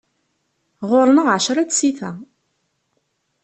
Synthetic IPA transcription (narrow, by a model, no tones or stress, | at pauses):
ʁʊɾˤnəʁʕəʃɾˤat͡ssiθæ